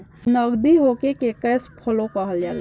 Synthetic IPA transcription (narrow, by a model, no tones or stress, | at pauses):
nəɡd̪iɦokekekəːspʰəlokəɦəld͡ʒaːla